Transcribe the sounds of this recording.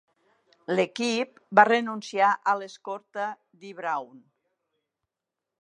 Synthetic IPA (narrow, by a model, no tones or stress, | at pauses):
lekip̚barenunsiaʔəleskoɾt̪a | d̪iβɾawn